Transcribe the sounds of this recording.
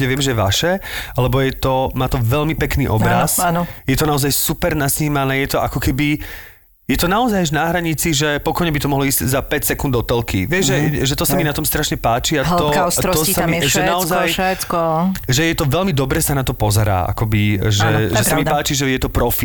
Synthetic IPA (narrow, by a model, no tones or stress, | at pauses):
ɲɛʋɪɛmʒɛjʋaʃɛalɛbɔjɛt̪ɔmaːt̪ɔʋɛʎmipɛknḭːʔɔbɾɾasanɔjɛt̪ɔnaɔzajsupɛɾnasɲiːmanɛːjɛt̪ɔʔakɔkɛbi | jɛt̪ɔnaɔzajaʒnaɦɾaɲit͡siʒɛpɔkɔjɲɛbit̪ɔmɔɦlɔiːz̥czapɛcsɛkund̪ɔt̪ɛlkʰḭʋɪɛʒʒɛʒɛt̪ɔsaminat̪ɔmst̪ɾaʃɲɛpaːt͡ʃiaɦt̪ɔast̪ɔɔɔsamiʒɛnaɔzajʃɛt͡skɔʒɛjɛt̪ɔʋɛlmid̪ɔbɾɛsanat̪ɔpɔzɛɾa̰ːʔa̰kɔbiʒɛʒɛssamippaːt͡ʃiʒɛjɛt̪ɔpɾɔfi